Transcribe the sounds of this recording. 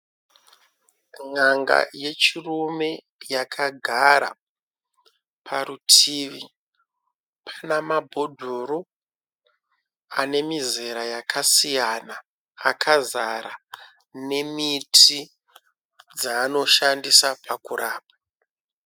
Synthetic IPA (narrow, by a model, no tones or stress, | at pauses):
ŋaŋɡa̰je̞t͡ʃirume̞ | jakʰaɡʱaɾa̰ | pʰaɾutʰiːʋi | pʰḁnamabʱo̞dʱoɾo | ane̞mize̞ɾajakʰasijanaː | kʰazaɾa | ne̞mitʰi | d͡zaːno̞ʃandisapʰakuɾaːp̚a